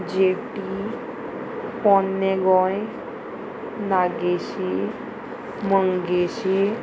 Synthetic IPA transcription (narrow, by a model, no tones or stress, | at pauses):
d͡ʒeʈi | pɔnːeɡɔje | naɡesi | mʌŋɡesi